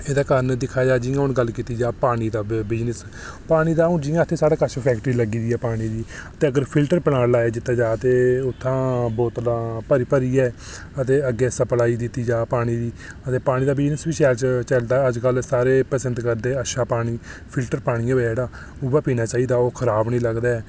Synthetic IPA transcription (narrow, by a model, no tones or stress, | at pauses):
eːd̪aːkənd̪ɪkʰaːd͡ʒaːd͡ʒiːãːʊnɡəlːkiːt̪iːd͡ʒaːpaːɽ̃iːd̪aːbɪd͡ʒnəs | paːɽ̃iːd̪aːʊnd͡ʒiːãːət̪ʰːeːsaːɽaːkəʃʰpʰɛːkʈəɾiːləɡiːd̪iːɛːpaːɽ̃iːd̪iːət̪eːəɡəɾpʰɪlʈəɾpənaːlaːeːd͡ʒɪt̪ːaːd͡ʒaːət̪eːʊt̪ʰːãːbɔːt̪laːpəɾipəɾiːɛː | ət̪eːəɡːeːəsaːpəlaːiːd̪ɪt̪ːiːd͡ʒaːpaːɽ̃iːd̪iː | ət̪eːpaːɽ̃iːd̪aːbɪd͡ʒnəsʋiːʃɛːt͡ʃt͡ʃəld̪aːəd͡ʒkəlsaːɾeːpəsə̃nt̪kəɾd̪eːəʃaːpaːɽ̃iːpʰɪlʈəɾpaːɽ̃ijãːʋɛːeːɽaː | ʊbaːpiːnaːt͡ʃaːiːd̪aːoːkʰəɾaːbnĩːləɡd̪aːɛː